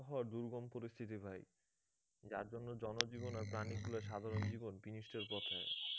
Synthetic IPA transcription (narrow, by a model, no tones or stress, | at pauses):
ɦɔaɾd̪uɾɡompoɾist̪ʰit̪̬ibʱaj | d͡ʑa̰ɾd͡ʑonːod͡ʑɔnod͡ʑibonaɾpɾanikulaɾʃad̪ʱaɾond͡ʑibonpinisʈʰeɾpɔt̪ʰae